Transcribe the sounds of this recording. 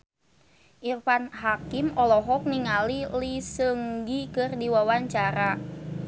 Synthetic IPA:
ʔirfanhakimɔlɔɦɔk̚niŋalilisəŋɡikɨrdiwawaɲt͡ʃaɾa

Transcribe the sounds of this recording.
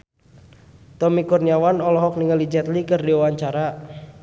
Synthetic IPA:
t̪ɔmikurniawanɔlɔɦɔk̚niŋalid͡ʒɛt̪likɨrdiwawaɲt͡ʃaɾa

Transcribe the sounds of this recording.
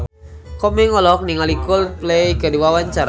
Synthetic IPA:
kɔmɛŋɔlɔk̚niŋalikʊlplɛjkədiwawaɲt͡ʃaɾa

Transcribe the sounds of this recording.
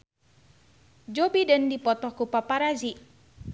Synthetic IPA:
d͡ʒobidəndipɔt̪ɔhkupapaɾazi

